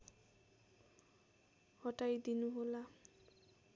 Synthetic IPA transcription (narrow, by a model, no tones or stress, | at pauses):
hɔʈajd̪inuɦola